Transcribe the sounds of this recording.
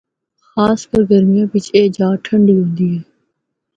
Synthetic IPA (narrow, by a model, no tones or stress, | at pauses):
xaːskəɾɡəɾmɪjãːʋɪt͡ʃeːd͡ʒaːʈʰəɳɖiːɦõːnd̪iːɦɛː